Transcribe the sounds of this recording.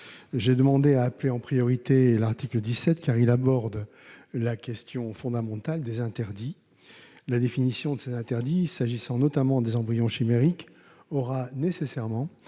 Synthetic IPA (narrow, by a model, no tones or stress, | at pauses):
ʒed̪əmɑ̃d̪eaːpleɑ̃pχijɔʁit̪elaʁt̪ikləd̪isɛt̪kaʁilabɔʁd̪ | lakʲɛst̪jɔ̃fɔ̃d̪amɑ̃t̪ald̪ezɛ̃t̪ɛʁd̪i | lad̪efinisjɔ̃d̪əsezɛ̃t̪ɛʁd̪isaʒisɑ̃nɔt̪amɑ̃d̪ezɑ̃bʁijɔ̃ʃimeʁik | ɔʁanesesɛʁmɑ̃